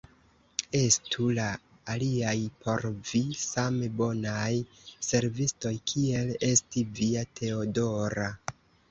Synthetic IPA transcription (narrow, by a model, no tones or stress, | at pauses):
e̞stʰulaː | liajpʰo̞ɾvisamebo̞naj | se̞ɾvisto̞jkʰie̞le̞stiviatʰe̞odo̞ɾa